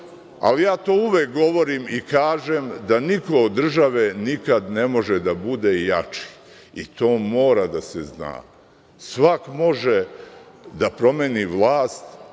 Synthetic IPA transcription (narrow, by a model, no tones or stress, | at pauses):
a̰lijaːt̪oːuʋek̚ɡo̞ʋo̞ɾimikaːʒemd̪aniko̞od̪ːr̩ʒaʋenikad̪ne̞mo̞ʒed̪abud̪ejat͡ʃi̥ | it̪oːmo̞ːɾad̪asezna̰ː | sʋakmo̞ʒe | d̪apɾo̞meːniʋlˠaːst̪